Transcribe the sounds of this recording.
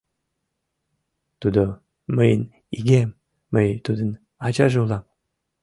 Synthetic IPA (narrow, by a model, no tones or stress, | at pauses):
t̪ud̪o | məjən | iɡemː | əjt̪ud̪ən | ɑt͡ɕɑʒeulɑm